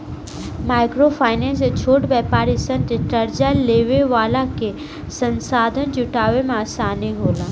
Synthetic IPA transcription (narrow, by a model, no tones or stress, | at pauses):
maːɪkɾofʰaːɪnẽs̬et͡ʃʰoːʈbɛːpaːɾisə̃nt̪ɾiʈɐɾd͡ʒaleːʋeʋaːlake | sɐ̃nsaːd̪ʱənt͡ʃʊʈaːʋemãsaːneɦoːlãː